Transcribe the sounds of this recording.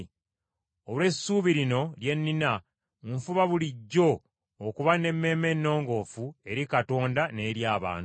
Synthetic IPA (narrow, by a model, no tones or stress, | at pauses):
olwe̞sːuːβiɾino̞lje̞nːina | uɱfuβaβuliɟːo̞ː | kuβane̞mːe̞ːmenːo̞ːŋɡo̞fue̞ɾikato̞ːndane̞ːɾjaːβa̰ːn